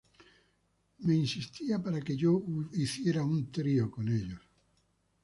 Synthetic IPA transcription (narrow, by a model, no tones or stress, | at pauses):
meinsist̪iapaɾakeʝoiθjeɾaunt̪ɾiokoneʎos